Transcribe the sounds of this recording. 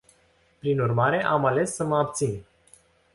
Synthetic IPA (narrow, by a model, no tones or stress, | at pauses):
pɾinurmaɾe̞ʔamale̞sːəməapt̪sin